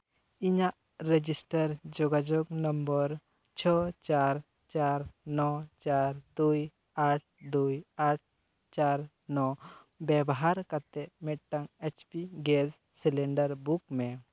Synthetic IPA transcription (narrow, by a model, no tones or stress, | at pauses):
iɲaʔ | ɾed͡ʒisʈəɾd͡ʒɔɡad͡ʒɔɡnəmbəɾ | t͡ʃʰɔt͡ʃaɾ | t͡ʃaɾnɔt͡ʃaɾd̪uj | aʈ̚ʰd̪ujaʈ̚ʰ | t͡ʃaɾ | nɔ | bɛbɔɦaɾkat̪ɛʔmɛʈ̚ʈaŋet͡ʃpiɡɛs | silɛɳɖəɾbukmɛ